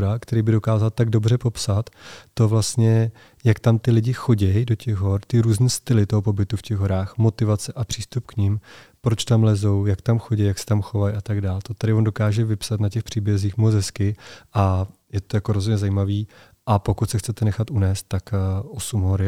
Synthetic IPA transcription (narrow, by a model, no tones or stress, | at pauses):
ɾakt̪ɛɾiːbɪdo̞kaːzalt̪aɡdo̞brɛpo̞psat̪ːo̞vlast̪ɲɛ | jakt̪amt̪ɪlɪɟɪxo̞ɟɛjdo̞cɛɣɦo̞ɾt̪ɪɾuːzniːst̪ɪlɪt̪oɦo̞po̞bɪt̪ufcɛɣɦo̞ɾaːxmo̞t̪ɪvat͡sɛʔapr̝̥iːst̪upkɲɪmpɾo̞t͡ʃt̪amlɛzo̞wjakt̪amxoɟɛjjaksɛ̥t̪amxo̞vajʔat̪aɡdaːlt̪ot̪adɪvo̞ndo̞kaːʒɛvɪpsat̪nacɛxpr̝̥iːbjɛziːxmozɛskɪʔajɛt̪o̞jakoɾo̞zɦodɲɛzaiːmaviː | ʔapo̞kut̪sɛxt͡sɛt̪ɛnɛxat̪ʔunɛːst̪ːakːʔosumɦoɾɪ